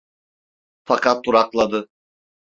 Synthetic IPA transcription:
fakʰat̪̚ːuɾaklˠad̪ɯ

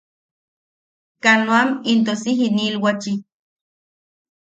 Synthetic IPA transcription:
kanoamint̪osiɦinilwat͡ʃi

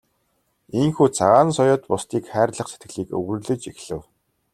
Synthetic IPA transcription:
iŋxuːt͡sʰaʁaːnsɔjʊːt̪pʊst̪iːkχæːrɮə̆χse̥t̪̚ɡɘ̆ɮiːkɵ̰ɣɵ̆rɮɘ̆t͡ɕixɮɘ̆w

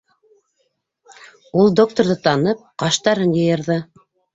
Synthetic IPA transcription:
ulˠd̪ok̚t̪oɾðɤt̪ɑnɤp̚qɑʃt̪ɑɾɤnjɤ̆jɤ̆ɾðɤ

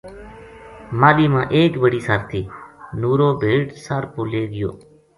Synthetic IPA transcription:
maːliːmãːʔeːkbəɽiːsaːɾt̪ʰiːnuːɾoːbʱeːʈsaːɾpoːleːɡɪjo̰ː

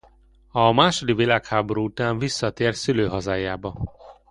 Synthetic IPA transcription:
ɒmaːʃod̪ivilaːkhaːboɾuːut̪aːɱvisːɒt̪eːrsyløːɦɒzaːjaːbɒ

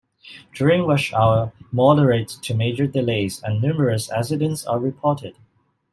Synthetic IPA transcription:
d̥jʊɹɪ̃ŋwʌʃaʊə˞mɔɾəɹeɪttʰɨmeɪd͡ʒə˞dɪleɪzə̃nːʉːməɹəsɛ̰sɪdə̃ntsə̰ɹɪpʰɔɹtɪd̥

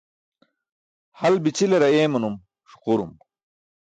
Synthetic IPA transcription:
hɐlbit͡ɕileɾɐeːmɐnum | ɕu̥quɾṵm

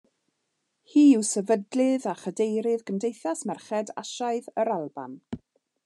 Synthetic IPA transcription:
hiːɪwsɛvədlɨðaχədejɾɪðɡəmdejθasmɛrχɛda̰ʃaɨðəɾalˠba̰n

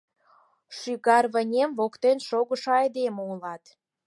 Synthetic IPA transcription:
ʃyɣɑrβə̆nʲemβokt̪enʃoɣəʃɑɑjd̪emulɑt̪

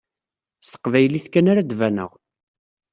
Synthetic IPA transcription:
st̪ə̥qvæjliθkːænaɾæd̪vænə̰ʁ

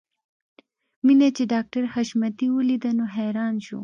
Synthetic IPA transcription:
minet͡ɕeɖaːk̚ʈɐɾhɐʃmɐt̪iulid̪ɐnoɦɛːɾaːnɕṵ

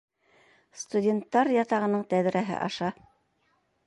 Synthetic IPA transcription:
st̪udʲent̪ːɑɾjɑt̪ɑʁɤ̆nɤɴt̪æðɾæɦɘ̰ʔɑ̰ʃɑ

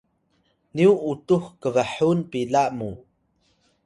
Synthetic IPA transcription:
niuʔutuxkəvəħunpilaʔmu

